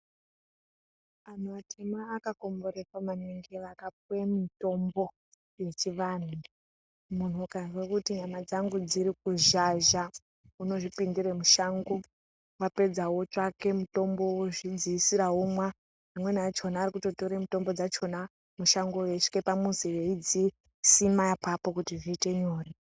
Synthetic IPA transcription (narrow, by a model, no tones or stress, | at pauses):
an̤uatʰemaːkako̞mbo̞ɾekwamaniŋɡeʋakap̚wemito̞mbo̞ | je̞t͡ʃiʋan̤u | mun̤ukanʐekutiɲamad͡zaŋɡud͡ziɾik̚uʒaʒa | uno̞ʐipindiɾemuʃaŋɡo | wape̞d͡zawo̞t͡ʃake̞muto̞mbo̞woʐid͡ziisiɾaɦomwa | pamwe̞nat͡ʃo̞naːɾikuto̞to̞ɾemuto̞mbo̞d͡zat͡ʃo̞na | muʃaŋɡojeʂkepamunzijeid͡zi | simajapapo̞kutiʐiːte̞ɲoːri